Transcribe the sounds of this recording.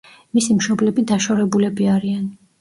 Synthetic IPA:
misimʃɔblɛbid̪aʃaɾɛbulɛbiaɾian

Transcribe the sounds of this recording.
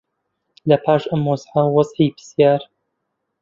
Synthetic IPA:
lɐpʰaːʃʔɐmːɔzʕawɑzˤʕiːbɨsjaːɾ

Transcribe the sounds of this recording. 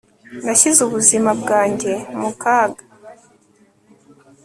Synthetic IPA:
naçizuβuzimabɡaːɲɟe̞mukaːɡḁ

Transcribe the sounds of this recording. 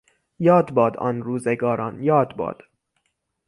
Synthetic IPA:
jɒːd̪bɒːd̪ɒ̰ːnɾuːzeɡɒːɾʔɒ̰ːnjɒːd̪bɒ̰ːd̪̥

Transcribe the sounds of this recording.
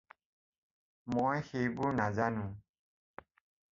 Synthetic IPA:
mɔjhejbuɹnazanũ

